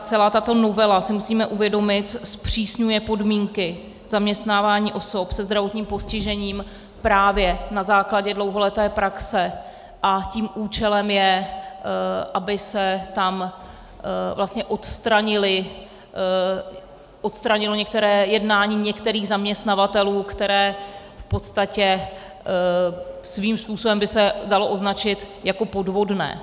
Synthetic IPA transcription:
t͡sɛlaːt̪at̪o̞no̞vɛlasɪmusiːmɛʔuvjɛdo̞mɪt̪spr̝̥iːsɲujɛpo̞dmiːŋkɪ | z̥amɲɛst̪naːvaːɲiːʔoso̞psɛzd̪ɾavo̞t̪ɲiːmpo̞scɪʒɛɲiːm | pɾaːvjɛnazaːklaɟɛdlo̞wɦo̞lɛt̪ɛːpɾaksɛ | ʔaciːmʔuːt͡ʃɛlɛmjɛ | ʔabɪsɛt̪am | vlast̪ɲɛʔo̞t̪st̪ɾaɲɪlɪ | ʔot̪st̪ɾaɲɪlo̞ɲɛk̚t̪ɛɾɛːjɛdnaːɲiːɲɛkt̪ɛɾiːɣzamɲɛst̪navat̪ɛluːkt̪ɛɾɛː | fpo̞t̪st̪acɛ | sviːmspuːsobɛmbɪsɛdalo̞ʔo̞znat͡ʃɪt̪ | jako̞po̞dvo̞dnɛ̰ː

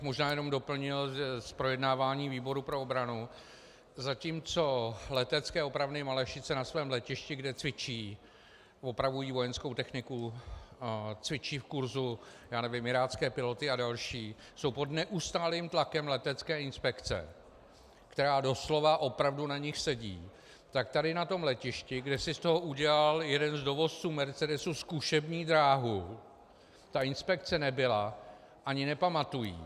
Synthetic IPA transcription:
xmo̞ʒnaːjɛno̞mdo̞pl̩ɲɪlʒɛspɾo̞jɛdnaːvaːɲiːviːbo̞ɾupɾo̞obɾanu | zaciːmt͡so̞lɛt̪ɛt͡skɛːopɾavnɪmalɛʃɪt͡sɛnasvɛːmlɛcɪʃcɪɡdɛt͡svɪt͡ʃiː | vo̞pɾavujiːvo̞jɛnskowt̪ɛxnɪku | t͡svɪt͡ʃiːfkuɾzujaːnɛvɪmɪɾaːt͡skɛːpɪlo̞t̪ɪadalʃiː | so̞wpo̞dnɛʔust̪aːliːmt̪lakɛmlɛt̪ɛt͡skɛːɪnspɛkt͡sɛ̰ | kt̪ɛɾaːdo̞slo̞vaʔo̞pɾavdunaɲɪxsɛɟḭː | t̪ak̚t̪adɪnat̪o̞mlɛcɪʃcɪɡdɛsɪst̪o̞ɦo̞ʔuɟɛlaljɛdɛnzdo̞vo̞st͡suːmɛɾt͡sɛdɛsuskuʃɛbɲiːd̪ɾaːɦu | t̪aʔɪnspɛk̚t͡sɛnɛbɪla | ʔaɲɪnɛpamat̪ujḭː

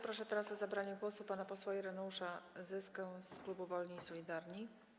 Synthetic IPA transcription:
pɾɔʂɛt̪ɛɾasɔzabɾaɲɛɡwɔsupanapɔswaɛɾɛnɔuʂazɘskɛwsklubuvɔlɲiːsɔlʲid̪aɾɲi

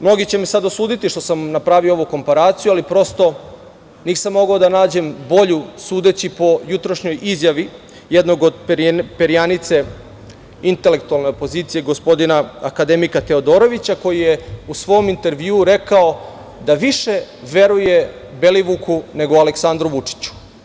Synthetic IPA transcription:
mno̞ɡit͡ɕe̞mesad̪osuːd̪it̪iʃt̪o̞samnapɾaːʋiooʋuko̞mpaɾaːt̪sijualipɾo̞st̪o̞ | niːsamːo̞ɡaod̪anaːd͡ʑe̞mbo̞ʎusuːd̪e̞t͡ɕipo̞jut̪ɾoʃɲo̞jʔizjaʋi | jed̪no̞ɡo̞d̪ppeɾijanit̪se̞ | int̪e̞le̞kt̪ualˠneopo̞ziːt̪sije̞ɡo̞spo̞d̪inaakad̪emikat̪e̞o̞d̪o̞ːɾo̞ʋit͡ɕako̞jijeusʋo̞omint̪e̞ɾʋjuːɾe̞kao | d̪aʋiʃe̞ | ʋe̞ɾuje̞ | be̞liʋukʰune̞ɡo̞aleksand̪ɾuʋut͡ʂi̥t͡ɕu̥

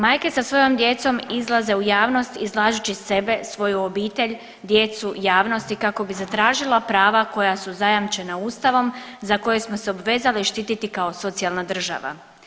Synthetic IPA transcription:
maːjke̞sasʋo̞jo̞md̪je̞t̪so̞mizlˠaze̞ujaːʋno̞st̪izlˠaːʒut͡ɕise̞be̞sʋo̞juobiːt̪e̞ʎ | d̪je̞t̪sujaːʋno̞st̪ikako̞bizat̪ɾaːʒilˠapɾaːʋako̞jasuzajamt͡ʃe̞nauːst̪aʋo̞mzako̞jesmoseo̞bʋe̞ːzaliʃt̪iːt̪it̪ikao̞so̞t̪sialˠnad̪r̩ʒa̰ʋa̰

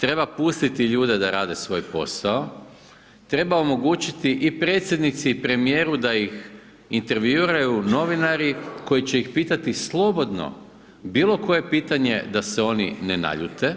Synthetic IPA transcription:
t̪ɾe̞bapust̪it̪iʎuːd̪e̞d̪aɾaːd̪e̞sʋo̞jpo̞sao̞ | t̪ɾe̞bao̞mo̞ɡuːt͡ʃit̪iʔipɾet̪sʲjed̪nit̪siːpɾe̞mije̞ːɾud̪ajix | int̪e̞ɾʋjuɾajuno̞ʋinaɾiko̞jit͡ɕeixpiːt̪at̪islˠo̞bo̞d̪no̞̰ | biːlo̞ko̞je̞piːt̪aɲe̞d̪aseo̞nḭnena̰ʎut̪e

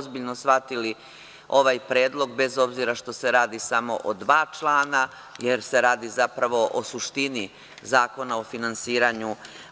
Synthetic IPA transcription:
zbiʎnosʋat̪ili | o̞ʋaːjpɾeːd̪lˠo̞ɡ̚be̞zo̞bziɾaʃt̪o̞se̞ɾaːd̪isamo̞̰ʔod̪ʋaːt͡ʃlˠaːna | jeɾse̞ɾaːd̪izapɾaʋo̞ʔosuʃt̪ini | zaːko̞nao̞finansiːɾaɲu

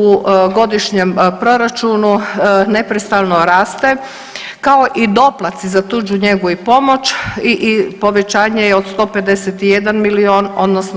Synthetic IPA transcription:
uɡo̞d̪iʃɲempɾo̞ɾat͡ʃunune̞pɾest̪alˠnoɾaːst̪e̞ | kao̞ʔid̪o̞plˠat̪sizat̪uːd͡ʒuɲe̞ɡuipo̞mot͡ʃiʔpo̞ʋe̞t͡ʃaːɲejeo̞d̪st̪o̞ːpe̞d̪e̞set̪ijed̪anmilioːno̞d̪nosn

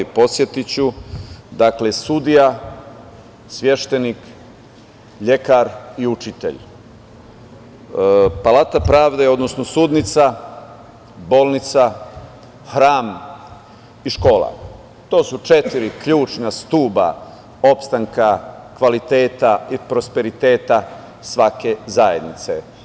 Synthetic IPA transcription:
ipo̞t̪sje̞t̪it͡ɕud̪aklesud̪ija | sʋʲje̞ʃt̪e̞nik | ʎe̞kaɾiut͡ʃit̪ḛʎ | palat̪apɾaːʋd̪eo̞d̪no̞snosud̪nit̪sa | bo̞ːlˠnit̪sa | xɾaːm | iʃko̞ːlˠa̰ | t̪o̞ːsut͡ʃet̪iɾikʎuːt͡ʃnast̪uːba̰ | o̞pst̪aŋkakʋalit̪e̞ːt̪aipɾo̞spe̞ɾit̪e̞ːt̪a | sʋake̞zaje̞d̪nit̪se

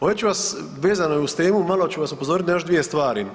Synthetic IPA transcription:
oʋet͡ɕuʋas | ʋeːzanojeust̪eːmumalo̞t͡ɕuʋasupo̞zoːɾit̪najo̞ʃd̪ʋije̞st̪ʋaːɾi

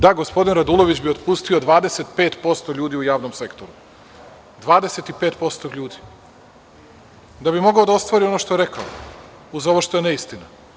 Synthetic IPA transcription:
d̪aɡo̞spo̞d̪inɾad̪ulˠo̞ʋit͡ɕbio̞d̪pust̪io̞d̪ʋaːd̪e̞se̞t̪peːt̪po̞st̪o̞ʎuːd̪iujaːʋnomse̞kt̪o̞ɾu | d̪ʋaːd̪e̞set̪ipeːt̪po̞st̪oʎuːd̪i | d̪abimo̞ɡaod̪ao̞st̪ʋaɾiono̞ʃt̪o̞jeɾe̞ka̰o̰ | uzo̞ʋoʃt̪o̞jene̞ist̪ina

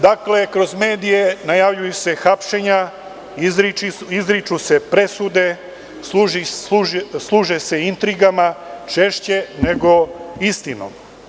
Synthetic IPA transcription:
d̪akle̞kɾo̞zme̞ːd̪ije̞najaʋʎujuse̞xapʃe̞ɲa | izɾit͡ʃiizɾit͡ʃuse̞pɾe̞sud̪e̞ | sluʒiuslˠuːʒese̞int̪ɾiɡamat͡ʃe̞ʃt͡ɕene̞ɡo̞ist̪ino̰m

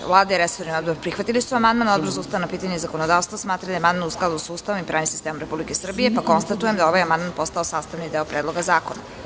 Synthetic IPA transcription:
vlˠaːd̪ajeɾesoɾniod̪boɾpɾixʋat̪ilisuamand̪manod̪bozuːst̪anapiːt̪aɲezako̞nod̪aːʋst̪vasmaːt̪ɾad̪ajamand̪mnusklad̪usuːst̪aʋomipɾaːnimsist̪eːmomɾepublike̞sr̩bijepako̞nst̪at̪ujemd̪ao̞ʋajamand̪manpo̞st̪aosaːst̪aʋnid̪eopɾeːd̪lˠoɡazaːkona

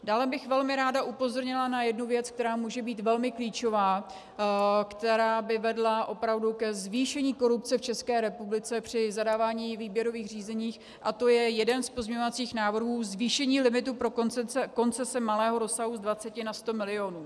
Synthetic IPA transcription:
daːlɛbɪxvɛlmɪɾaːdaʔupo̞zoɾɲɪlanajɛdnuvjɛt͡sk̚t̪ɛɾaːmuːʒɛbiːt̪vɛlmɪkliːt͡ʃo̞vaː | kt̪ɛɾaːbɪvɛdlaʔo̞pɾavdukɛzviːʃɛɲiːko̞ɾupt͡sɛft͡ʃɛskɛːɾɛpublɪt͡sɛpr̝̥ɪzadaːvaːɲiːviːbjɛɾo̞viːxriːzɛɲiːx | ʔat̪o̞jɛjɛdɛnspozmɲɛɲovat͡siːxnaːvr̩ɦuːzviːʃɛɲiːlɪmɪt̪upɾoko̞nt͡sɛsɛmalɛːɦo̞ɾo̞saɦuzdvat͡sɛcɪnast̪o̞mɪlɪo̞nuː

